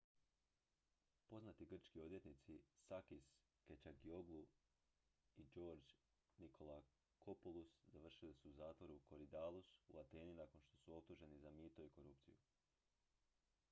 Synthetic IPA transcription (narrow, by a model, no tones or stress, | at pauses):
po̞znat̪iɡr̩t͡ʃkio̞d̪je̞t̪nit̪sisakis | ket͡ʃaɡio̞ɡlˠu | id͡ʒo̞ːɾd͡ʒ | nikʰo̞la | kʰo̞polˠuszaʋr̩ʃilisuuzaːt̪ʋo̞ɾuko̞ɾid̪aːlˠusṵat̪e̞ːninako̞nʃt̪o̞suo̞p̚t̪uʒe̞nizamiːt̪o̞iko̞ɾup̚t̪siju